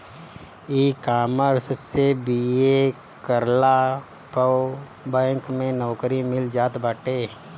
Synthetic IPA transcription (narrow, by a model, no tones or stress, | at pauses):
iːkaːməɾssebie | kəɾla | pə | bɛ̃ːŋkmẽnɔːkəɾimɪld͡ʒaːt̪baːʈeː